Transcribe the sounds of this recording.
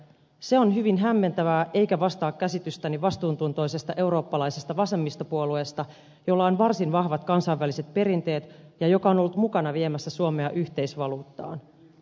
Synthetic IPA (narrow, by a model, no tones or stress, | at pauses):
seo̞nɦyʋinɦæmːe̞nt̪æʋæːʔe̞jkæʋɑst̪ɑːkkæsit̪yst̪æniʋɑst̪uːnt̪unt̪o̞jse̞st̪ɑʔe̞uɾo̞ːpːɑlɑjse̞st̪ɑʋɑse̞mːist̪opuolue̞st̪ɑ | jolːɑonʋɑrsinʋɑhʋɑt̪kɑnsɑiʋːæliset̪̚pe̞ɾint̪e̞ːt̪jɑjo̞kɑo̞nolːut̪mukɑnɑʋie̞mæsːæsuome̞ɑʔyçt̪e̞isʋɑluːt̪ːɑ̰ːn